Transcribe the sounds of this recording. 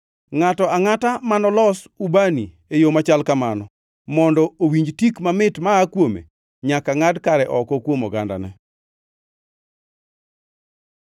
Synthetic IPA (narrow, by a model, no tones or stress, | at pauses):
ŋatɔaŋatamanɔlɔs | ubani | ejomat͡ʃalkamanɔ | mɔndɔowiɲd͡ʒtikmamɪtmaːkwomḛ | ɲakaŋadkaɾɛʔɔkɔkwomɔɡanda̰nɛ̰